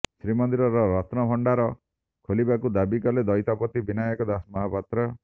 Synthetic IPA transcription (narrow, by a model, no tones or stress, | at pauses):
sɾimɔnd̪iɾɔɾɔɾɔt̪nɔpʰɔɳɖaɾɔ | kʰolibakud̪abikɔled̪ɔjt̪apɔt̪ibinajɔkɔd̪asmɔɦapat̪ɾɔ